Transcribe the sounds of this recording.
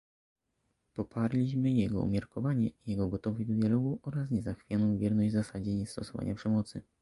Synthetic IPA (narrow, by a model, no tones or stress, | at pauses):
pɔpʰaɾlʲiɕmɘjɛɡɔṵmʲjaɾkɔvaɲɛijɛɡɔɡɔt̪ɔvɔd̪ɔd̪ʲjalɔɡuʔɔɾas̬ɲɛzaxfʲjanɔ̃w̃vʲjɛɾnɔʑd͡ʑzasad͡ʑɛɲɛst̪ɔsɔva̰ɲapʂɛmɔt̪sɘ